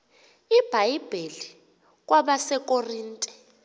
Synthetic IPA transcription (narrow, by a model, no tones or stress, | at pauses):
ib̥ʱajb̥ʱeli | k̬ʼwʔaɓasɛkʼoriːntʼɛ̥